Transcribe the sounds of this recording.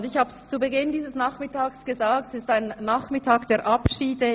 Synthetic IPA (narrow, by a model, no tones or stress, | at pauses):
ndɪçhaːbəst͡subəɡɪndiːzəsnaːχmɪtʰaːksɡ̥əzaːktsɪstaɪnːaːχmɪtʰaːkd̥eːɐʔapʃiːdə